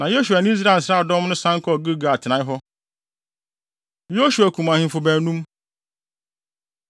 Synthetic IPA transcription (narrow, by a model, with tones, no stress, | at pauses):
nã˨jo˦su˨a˨nɪ̃˦i˦s̬ɾa˦˨sɾa˦˨dɔ̃˦mnʊ̃˦sã˦ŋ˦kʰɔ˦˨ɡu˦ɡa˨a˨tʰɪ˨nã˨˦ɪ˦ɦɔ˦ | jo˦su˨æ˨kʰũ˨mã˨hɪ̃˨˦fʊ˨bæ̃˨˦nũ˦m